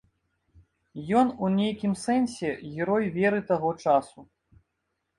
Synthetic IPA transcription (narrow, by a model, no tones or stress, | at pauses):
jɔnunʲejkʲimsɛnsʲɛɣʲɛɾɔjvʲɛɾɨt̪aɣɔt͡ʂasu